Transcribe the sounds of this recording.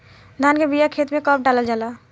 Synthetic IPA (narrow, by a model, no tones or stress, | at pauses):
d̪ʱankebijakʰet̪mẽkəp̚ʰɖaləld͡ʒaːla